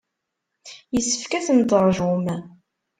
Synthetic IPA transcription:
jəsːə̥fkæθənd̪əɾˤʒum

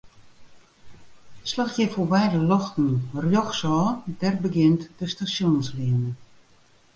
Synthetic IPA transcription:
slaxjɛfobɛjdəlɔxtn̩rjɔxsɔːdɛrbəɡɪntdəstasjonsliənə

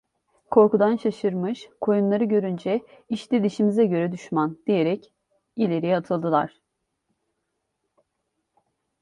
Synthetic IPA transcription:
kʰo̞ɾkud̪anʃaʃɯɾmɯʃkʰo̞junlˠaɾɯɟø̞ɾynd͡ʒɛiʃt̪id̪iʃimizɛɟø̞ɾɛd̪yʃmand̪̥ije̞ɾɛc | ilʲe̞ɾijat̪ʰɯlˠd̪ɯlˠa̰ɾ̥

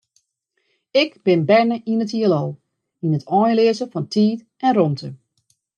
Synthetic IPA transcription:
ɪkb̥ɪnbɛɹnəʔinətiəəlɔlˠ | inətʰɔːjlɪəzəfɔntʰiːt | ɛnrɔmtʰə

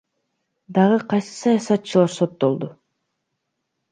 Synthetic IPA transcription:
d̪ɑʁɯqʰɑjsɯ̥sɑjɑsɑt̪t͡ʃɯlˠɑɾso̞t̪ːo̞lˠd̪u

